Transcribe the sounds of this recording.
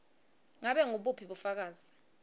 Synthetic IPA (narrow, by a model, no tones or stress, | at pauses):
ŋaɓɛŋuɓupʰiɓufak̬aːz̥i